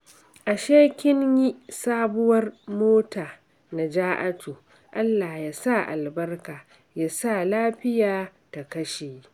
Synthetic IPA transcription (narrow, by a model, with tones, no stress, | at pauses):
ʔa˨ʃeː˦kʲɪ˦nji˦saː˦bʊ˦wɐ˦rmoː˦taː˨ | na˨d͡ʒaː˦ʔa˦tuː˨ | ʔa˦lːaː˨jaː˦sa˦˨ʔa̰˨lbɐ˦rkaː˨ | ja˦sa˦˨laː˦ɸɪ˦jaː˨ta˨kɐ˦ʃeː˨